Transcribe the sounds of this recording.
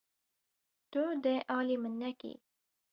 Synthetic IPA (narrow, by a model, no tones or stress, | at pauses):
t̪od̪əʔɑːlimənːakḭ